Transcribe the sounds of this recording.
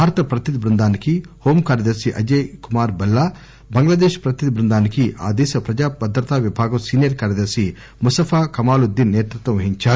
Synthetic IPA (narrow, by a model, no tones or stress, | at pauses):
bʱaːɾt̪ɐpɾɐt̪id̪bɾund̪ʱaːnikihoːmkaːɾjɐd̪ɐɾsiʔɐ̰d͡ʒekumaːɾbɐlːa | bɐŋɡlaːd̪eːʃpɾɐt̪id̪bɾɨnd̪ʱaːnikiʔa̰ːd̪eːsɐpɾɐd͡ʒaːpɐd̪ʱɾɐt̪ʰaːʋjɐbʱaːɡɐʋsiːnijɐɾkaːɾjɐd̪ɐɾsi | must̪ɐfʰaːkɐmaːlud̪inːeːt̪ɾut̪ʋɐʋɐɦiɲt͡ʃaː